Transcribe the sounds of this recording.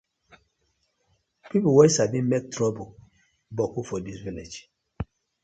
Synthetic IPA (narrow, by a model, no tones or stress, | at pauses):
piplwɔsabĩnmek̚tʰɹɔbo | bɔkufɔdisviled͡ʒ